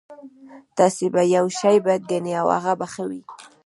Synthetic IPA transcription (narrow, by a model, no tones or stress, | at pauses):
t̪asebajawʃajbat̪̚ɡaneawa̰ɣabaxawi